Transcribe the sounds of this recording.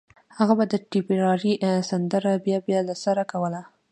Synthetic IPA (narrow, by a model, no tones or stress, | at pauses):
haɣabad̪əʈibiɾɑɾisand̪əɾabjɑbjɑlasaɾakawəla